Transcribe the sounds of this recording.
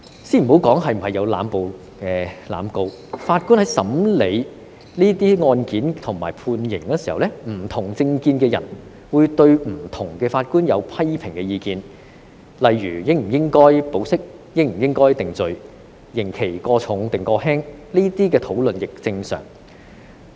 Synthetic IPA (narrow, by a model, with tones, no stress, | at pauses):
siː˥m̩˨˩o˨˥wkɔː˨˥ŋɦɐ˨jm̩˨˩hɐ˨jɐ˨˧wla̰ː˨˧mpo˨w | kɛː˧la̰ː˨˧mko˧w | faː˧t̚kuː˥nhɐ˨˥jsɐ˨˥mle˨˧j | liː˥t̪iː˥ŋɔː˧nkiː˨˥nt̪ʰʊ˨˩ŋmaː˨˩jpʰuː˧njɪ˨˩ŋkɛː˧si˨˩hɐ˨wlɛ˥m̩ː˨˩t̪ʰʊ˨˩ŋt͡sɪ˧ŋkiː˧nkɛː˧jɐ̰˨˩n | wuː˨˧jt̪ɵ˧ɥm̩˨˩t̪ʰʊ˨˩ŋkɛː˧faː˧t̚kuː˥njɐ˨˧wpʰɐ˥jpʰɪ˨˩ŋkɛː˧jiː˧kiː˧n | lɐ˨jɥyː˨˩jɪ˥ŋ̚m̩˨˩jɪ˥ŋkɔː˥jpo˨˥wsɪ˥k̚ | jɪ˥ŋ̚m̩˨˩jɪ˥ŋkɔː˥jt̪ɪ˨˩ŋt͡sɵ˨ɥ | jɪ˨˩ŋkʰe˨˩jkɔː˧t͡sʰʊ˨˥ŋt̪ɪ˨ŋkɔː˧ɦɛː˥ŋliː˥t̪iː˥kɛː˧t̪ʰo˨˥wlɵ˨njɪ˨k̚t͡sɪ˧ŋsœ̰ː˨˩ŋ